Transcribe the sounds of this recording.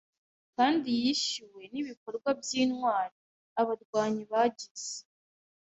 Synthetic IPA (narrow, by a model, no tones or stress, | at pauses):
kaːndijiʃiwe̞niβiko̞ɾɡwabjiːnwaːɾi | aβaɾɡwaːɲiβaɟiz̥e̥